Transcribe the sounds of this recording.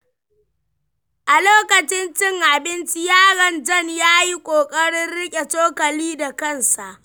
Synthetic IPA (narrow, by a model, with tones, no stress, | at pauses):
ʔa˨loː˦kɐ˨t͡ʃɪ˦nt͡ʃɪ˦˨ŋʔa˨bɪ˦nt͡ʃi˦jaː˦ɽɐ˨nd͡ʒɐ˦njaː˦ji˦kʷʼoː˨kʼɐ˦ɽɪ˦rɽɪ˦kʲʼe˨toː˦kɐ˨liː˦da˨kɐ˦˨nsa˨ʔ